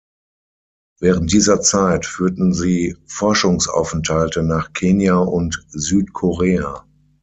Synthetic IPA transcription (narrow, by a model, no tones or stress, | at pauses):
vɛːʁən̩t̚d̥iːzɐt͡saɪtfyːɐtn̩ziːfɔɐʃʊŋsʔa̰ʊfɛntʰhaltənaːχkʰeːnjaʔʊntzyːtkʰoʁeːa